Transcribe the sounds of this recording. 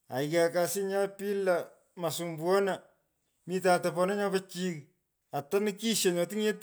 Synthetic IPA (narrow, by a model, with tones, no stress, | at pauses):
a̰˨ika˨ka˨sɪ˦ɲa˦pi˦la˨ | ma˨su˨mbwɔ˦na˨ | mi˦taː˨ta˨pɔ˨na˦ɲɔ˦pa˦t͡ʃi˦k | a˨ta˦nɪ˦ki˦ʃe˨ɲɔ˨ti˦ŋe˦t